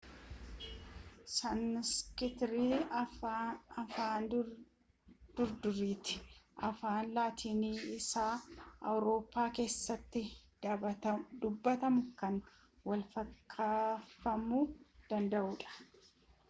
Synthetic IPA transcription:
sɐnskɪt̪ɾiː | ɐfaːn | d̪̥ʊɾd̪ʊɾiːt̪ɪ̥ʔɐfaːnlaːt̪ʰiːniːɪsaːɐ̰wɾo̞ːpːaːke̞ːsːɐt̪ːɪ | d̪ʊbːɐt̪ɐmʊkɐn | wɐlfɐkʰːaːfɐmuːd̪̥ɐnd̪ɐʔuːᶑɐ̥

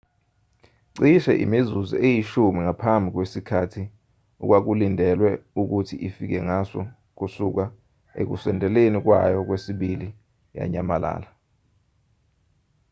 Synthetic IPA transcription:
ǀiʃɛ̰ʔḭmizuzḭejiʃumiŋapʰambʱik̬wesikʰatʰi | ṵk̬wak̬ulindʱɛlwɛuk̬utʰiʔifik̬ɛŋasɔ̰ | k̬usuk̬a | ḛk̬ṵsɛndʱɛlenik̬wa̰jɔk̬wesiɓili | ja̰ɲamalʔa̰ːla

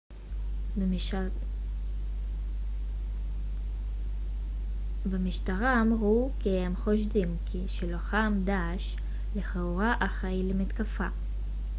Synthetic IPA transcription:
bemiʃtaʁaːmʁukihemχo̞ʃdimkʰiʃeloχamdaːʃ | leχeuʁaʔaχajlemit̪kafa̰

